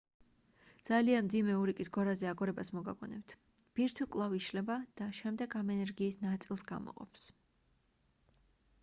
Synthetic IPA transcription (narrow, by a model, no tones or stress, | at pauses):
d̪z̥alianmd̪zimɛuɾikʼisɡɔɾazɛaɡɔɾɛbasmɔɡa̰ɡɔ̰nɛ̰pt̪ʰ | b̥iɾt̪ʰwikʼlˠaviʃlɛbad̪̥aʃɛmd̪ɛɡamɛnɛɾɡiːsnat̪sʼilˠsɡa̰mɔ̰qʼɔ̰ps